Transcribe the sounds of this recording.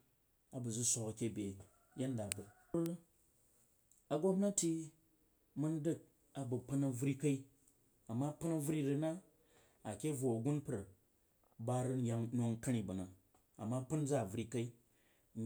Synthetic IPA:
a˨bu˨d͡zu˦sʷo˧kɐ˨kʲe˦˨bʲe˨ | je˦n˦da˨bɐ˨˦ | a˨ɡo˦mna˦tʲi˦ | mu˦n˦dɨ˦k̚ | a˨bɐ˨pɨ˦nɐ˨˧vɾi˦ka˦i˦ | a˨mːa˦pɨ˦nɐ˦vɾi˦ɾɨ˧na˦ | a˨kʲe˦vo˨ɐ˨ɡu˦npɾɐ˨ | ba˦ɾɨ˦n̩˦ja˦ŋno˧ŋkɐ˦ɽ̃i˨bɐ˨na˨ | a̰˨mːa˦pɨ˦n˦d͡za˦˨vɾi˦ka˦i˦

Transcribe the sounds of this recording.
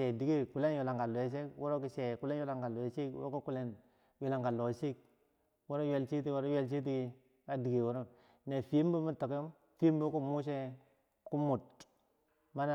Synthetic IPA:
e˨di˨ɡi˦˨ku˨le˦nju˨la˨ŋɡa˨lo˨e˨˦s̬e˦wʔo˦ɾo˦ki˨se˨ku˨le˦nju˦la˨ŋɡa˨lo˨e˨si˦kw̰ɾku˦ku˨le˦n | ju˨la˨ŋɡa˨lo˨si˦k̚ | wo˦ɾo˦jwe˨lt͡ʃi˦ti˦wo˦ɾo˦jwe˦˨lt͡ʃ̬i˦t̬i˦ɡi˨ | ka˦di˨ɡi˨wo˦ɾo˦ | ne˨fi˨˦m˦bu˦mu˦to˨ku˦m | fi˦m˦bu˦ku˦mu˦s̬e˦ | ku˦mu˨t | ma˦na˦

